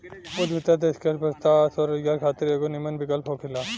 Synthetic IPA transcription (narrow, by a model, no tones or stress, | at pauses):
pod̪ʋɪt̪ad̪eːskɐɾpɐst̪asɔɾɡaːɾkʰaːt̪ɪɾeːɡonimənbɪkəlpɦoːkʰɪlaː